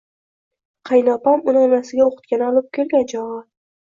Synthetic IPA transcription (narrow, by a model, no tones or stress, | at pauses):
qʰɑjnɒpamʊnɪɒnasɪɡʲaoqʰɨ̥t̪̚kʲanɒlˠɪp̚kʲʰelɡʲand͡ʒɒʁɑ